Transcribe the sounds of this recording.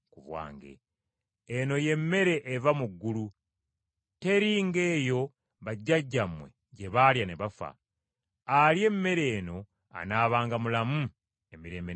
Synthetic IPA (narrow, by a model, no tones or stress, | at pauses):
kuβwa̰ːŋɡe̞̰ː | no̞je̞mːe̞ɾe̞ʔːvamuɡːulu | te̞ɾiːŋɡe̞ːjo̞ | βaɟːaɟːamwe̞̰ | ɟeβaljane̞βafa̰ | alje̞mːe̞ɾe̞ːno̞ | a̰naːβaːŋɡamulamu | e̞miɾe̞ːmbe